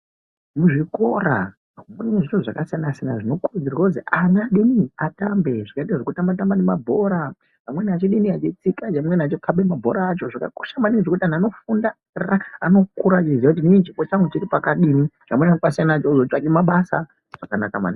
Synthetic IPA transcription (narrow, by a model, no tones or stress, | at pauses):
muʐiko̞ra̰ | unimeʐitoʐakasijanasijanaʐino̞kurud͡zirwakud͡zianaɗiniatambeʐakaitaʐokutamatambanemabʱo̞ɾa | pamwe̞niat͡ʃiɗiniat͡ʃit͡sikat͡ʃamwenat͡ʃokʰabemabʱo̞̰ɾaːt͡ʃo̞ʐaka̰ko̥ʃamaniŋʐokutianiano̞funda | raano̞kuɾat͡ʃizjakut̬iniit͡ʃipot͡ʃaŋɡut͡ʃiɾipakaɗinit͡ʃamwenaopasijanat͡ʃouzot͡ʃakimaɓasa | ʐ̥akanakama̰na